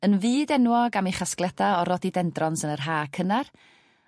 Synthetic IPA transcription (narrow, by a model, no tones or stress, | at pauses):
ənviːdɛnwɔɡamiχasklˠɛdaɔɾɔdidɛndrɔnsənərɦaːkʰənar